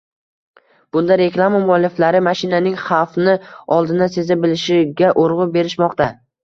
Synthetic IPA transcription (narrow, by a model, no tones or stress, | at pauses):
b̥ʊnd̪aɾe̞klˠamamʊɒlːɪflaɾɪmaʃɪnanɪŋχɑfnɪɒlˠd̪ɪnase̞zabɪlɪʃɪɡʲaʔoɾʁʊbe̞ɾɪʃmɒqt̪a